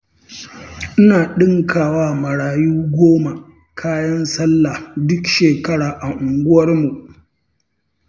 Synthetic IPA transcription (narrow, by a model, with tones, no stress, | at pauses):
ʔɪ˦naː˨ɗɪ˦ŋkʰaː˨waː˦mɐ˨ɽaː˨juː˦ɡʷoː˦ma˨ | kʰaː˦jɐ˦nsɐ˦lːa˨dʊ˦kʃeː˨kɐ˦ɽaː˨ʔa˨ʔʊ˨ŋɡʷʊ˦wɐ˦rmu˨ʔ